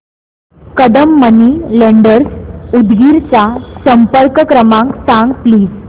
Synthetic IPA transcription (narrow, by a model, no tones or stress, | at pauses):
kəd̪əmːəniːleɳɖəɾsud̪ɡiɾt͡ɕjasəmpəɾkkɾəmãŋksãŋɡpliːd͡z